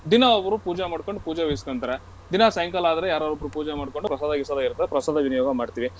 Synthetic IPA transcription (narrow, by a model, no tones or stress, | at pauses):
d̪inaɔbɐɾupuːd͡ʒamaːɽko̞ɳɖupuːd͡ʒɐʋejskɐnt̪ɐɾe | d̪inasɐjɐŋkɐlaːd̪ɐɾejaːɾoɾobɾupuːd͡ʒamaːɽko̞ɳɖupɾɐsaːd̪ɐɡisɐd̪ɐiɾt̪ːɐpɾɐsaːd̪ɐʋinijoːɡɐmaːɖt̪iʋi